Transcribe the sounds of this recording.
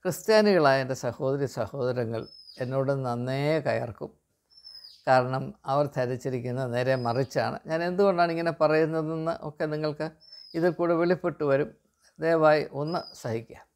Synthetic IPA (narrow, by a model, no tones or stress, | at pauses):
krɨst̪jaːniɣɐɭaːjendesɐho̞ːd̪ɐɾisɐho̞ːðɐɾɐŋːɐ̰ɭe̞nːoːɽunːɐnːeːkɐjɐ̰rkṵm | kaːɾɐɳɐmɐʋɐrt̪ʰɐɾit͡ɕːiɾikʲːunːɐne̞ːɾe̞mɐrit͡ɕːa̰ːɳɨ̰ɲaːne̞nd̪uɣo̞ɳɖaːɳiŋːɐne̞pɐrɐjunːɐðenːɨ̰ʔo̞̰kːe̞niŋːɐɭkɨ | iðilkuːɽeʋeɭipːeʈːuʋɐɾum | d̪eːʋaːjiʔo̞nːɨsɐhikʲːa̰ːm